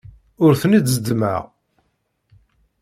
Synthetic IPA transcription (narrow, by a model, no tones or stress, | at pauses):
ʊɾθənid̪zəd̪mə̰ʁ